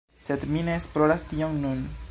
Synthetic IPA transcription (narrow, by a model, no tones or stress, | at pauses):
sed̪mineːsploɾastioŋnun